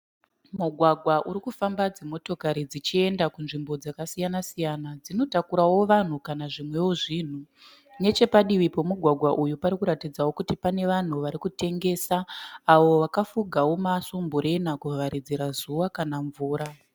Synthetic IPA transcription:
muɡʱwaɡʱwaʔuɾikufambad͡zemo̞to̞kaɾid͡zit͡ʃie̞ndakunʐimbo̞d͡zakasijanasijanad͡zino̞takuɾawo̞ʋan̤ukanaʐimwe̞woʐiːn̤u | ne̞t͡ʃe̞paɗiʋipo̞muɡʱwaɡʱwaʔujupaɾikuɾatid͡zawo̞kutipane̞ʋan̤uʋaɾikute̞ŋɡe̞ːsaːʋo̞ʋakafuɡʱawo̞masumbuɾe̞nakuʋaɾid͡zeɾazuʋakanaɱvuːɾa

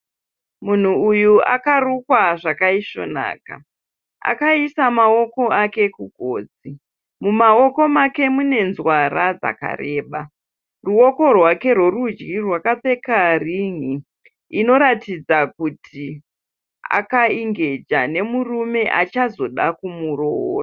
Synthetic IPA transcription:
mun̤uujua̰karukwaʐakaiʃo̞̰na̰ːka̰ | a̰kaisamao̞ko̞ake̞kuɡʱo̰ːd͡zi | mumao̞ko̞make̞mune̞nzwaɾad͡za̰ka̰reːɓa | ruo̞ko̞rwake̞rwo̞rud͡ʒɡirwakap͡fe̞kariŋiː | no̞ɾatid͡zakutʰi | a̰kaiŋɡe̞d͡ʒane̞murume̞ʔa̰t͡ʃazo̞ɗakumuro̰ra

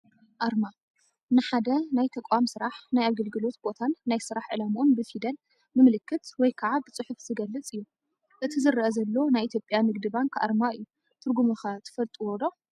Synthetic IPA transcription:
ʔaɾma | nɨħad̪ɐnajt̪ʰɐkʼamsɨɾaħnajaβɡɐlɡɨlo̞t̪bo̞t̪ʰanːajsɨɾaħʕɨ̰lamʔunbɨfid̪ɐn | bɨmɨlɨkʰːɨt̪wɔjkʰaʕabɨt͡sʼɨħufzɨɡɐlːɨt͡sʼɨjːu | ʔɨt̪ʰizɨɾːʔɐzɐlːo̞najʔit̪ʰjo̞pʼjamɨɡ̚d̪ɨbaŋkʰʔa̰ɾmaɨjːu | t̪ʰɨɾɡumuxat̪ʰɨ̥fɐlt̪ʼuwod̪o

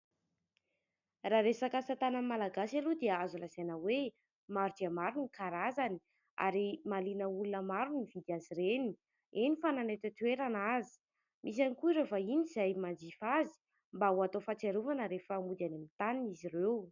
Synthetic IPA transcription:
raɾesakasat̪anamalaɡasalud̪eəazulazajnəwe | maɾudiamaɾunikaɾazani̥ | a̰ɾimalinəulunəmaɾunivid̪iaziɾeni̥ | enifananet̪at̪weɾanazi̥ | mʔis̬anikuiɾefainizajmand͡ʒifazi̥ | mbauat̪ofat͡seɾuvanəɾefəmud̪anamit̪aninizirew

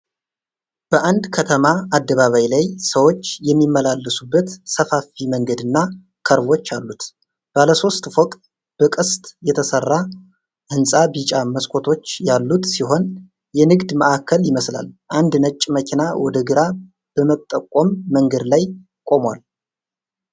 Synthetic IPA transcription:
b̥əʔand̪kʰət̪ʰəmaad̪ːəβaβajlajsəwo̞t͡ʃːjɛmːimːəlalːəsubːət̪səfafiməŋɡəd̪ɨnːa | kʰəɾβo̞t͡ʃːalːut̪ | b̥aləso̞st̪fɔk̪ʼ | b̥əkʼɨst̪ʼjɛt̪ʰəsərːa | ʔɨnsʼabit͡ʃʼaməskʷʼʰo̞t̪ʰo̞t͡ʃːjalːut̪siɦo̞n | jɛnɨɡd̪məʔakʰːəljɪməsla̰lʔand̪nət͡ʃʼːməkʰinawɔd̪əɡɨɾa | b̥əmət̪ʼːəkʼːomːəŋɡəd̪laj | kʼo̞mwal

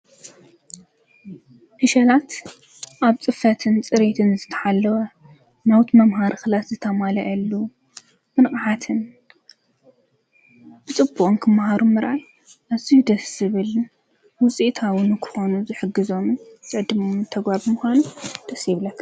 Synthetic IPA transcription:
hɨʃɐlat̪ | ʔaβt͡sʼɨfɐt̪ʰɨnt͡sʼɨɾet̪ʰɨnzɨt̪ʰɐ̥ħalːɐwɐ | nawt̪mɐmɦaɾxɨlat̪zɨt̪ʰɐmalɐʔɐlːu | mɨnkʼħat̪ʰɨn | b̥ɨt͡sʼɨbːuʔʼonkʰɨmhaɾumɨɾʔaj | ʔazid̪ɐszɨβɨl | wʊt͡sʼit̪ʰawʊnkʰɨ̥xonuzɨħɨɡɨzo̞msʼɨʕd̪ɨmomnt̪ʰɐɡβaβɨmʊxʷanud̪̥ɐsiβlɐkː

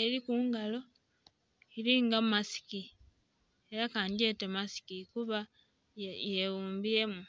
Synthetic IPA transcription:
eɾikuːŋɡalo̞ | iɾiŋɡamasi̥ki | e̞ɾakaːɲɟe̞temasi̥kikuβa | je̞wuːmbie̞mu

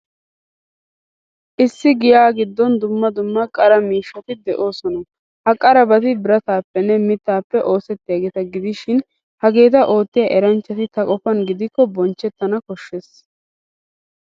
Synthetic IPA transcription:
ʔɪsːɪɡɪjaːɡɪd̪ːɔnd̪ʊmːɐd̪ʊmːɐkʼɐɾɐmiːʃːɐt̪ɪd̪ɛʔo̞ːsɔnɐ | hɐkʼɐɾɐbɐt̪ɪbɪɾɐt̪aːpːɛnːɛmɪt̪ːaːpːɛʔo̞ːsɛt̪ːɪjaːɡeːt̪ɐɡɪd̪ɪʃɪn | hɐɡe̞ːt̪̬ɐʔo̞ːt̪ːɪjaːʔɛɾɐnt͡ʃːɐt̪ɪt̪ɐkʼɔfɐnɡɪd̪ɪkːɔbɔnt͡ʃːɛt̪ːɐnɐkɔʃːeːs

